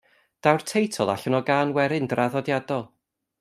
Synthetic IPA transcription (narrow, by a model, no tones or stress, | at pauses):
d̥awrtʰejtʰɔlˠa̰ɬɔnɔɡaːnwɛɾɪndraðɔdjadɔlˠ